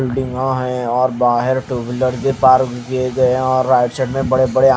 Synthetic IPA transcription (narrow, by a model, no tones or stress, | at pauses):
ɪlɖɪ̃ŋɡãɦɛ̃ɔːɾbaːɦɪɾʈuːbɪləɾɡepaːɾkeɡɐeɔːɾːaːɪʈsɛɖmẽbɐɽebɐɽea